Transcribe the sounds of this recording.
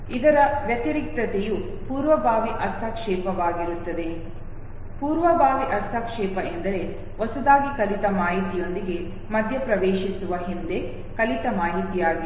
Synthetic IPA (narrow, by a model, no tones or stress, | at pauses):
id̪ɐɾɐʋjɐt̪iɾik̚t̪ɐt̪eju | puːɾʋɐbʱaːʋiʔɐst̪ʰɐkʂɛːpɐʋaːɡiɾut̪ːɐd̪e̞ | puːɾʋɐbʱaːʋiʔɐst̪ʰːɐkʂɛːpɐʔend̪ɐɾe̞ | ʋɔsɐd̪aːɡikɐlit̪ɐmaːɦit̪ijo̞nd̪iɡe̞ | mɐd̪ʱjɐpɾɐʋeːʃisuʋɐɦind̪e̞ | kɐlit̪ɐmaːɦit̪ijaːɡɐ